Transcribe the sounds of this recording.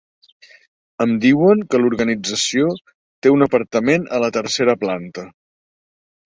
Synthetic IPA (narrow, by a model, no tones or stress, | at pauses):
əmd̪iwəŋkəluɾɣənid͡zəsio | t̪eunəpəɾt̪əmenələt̪əɾseɾəplant̪ə